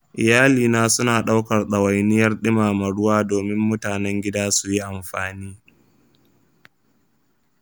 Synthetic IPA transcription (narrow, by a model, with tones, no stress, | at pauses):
ʔɪ˨jaː˦liː˨naː˦sʊ˦naː˨ɗa˦wkɐ˨rɗɐ˨wa˨jnɪ˦jɐ˦rɗɪ˦maː˨mɐ˨ɽʊ˦waː˦doː˨mɪ˦mːʊ˦taː˨nɛ˦ŋɡʲɪ˦daː˦su˨ji˦ʔa˨mɸaː˨niː˦